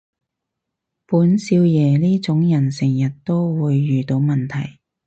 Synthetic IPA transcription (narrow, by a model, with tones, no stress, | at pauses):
puː˨˥nsiː˧wjɛː˨˧liː˥t͡sʊ˨˥ŋjɐ˨˩nsɪ˨˩ŋjɐ˨t̚t̪o˥wwuː˨˧jːyː˨t̪o˨˧˥wmɐ˨nt̪ʰɐ˨˩j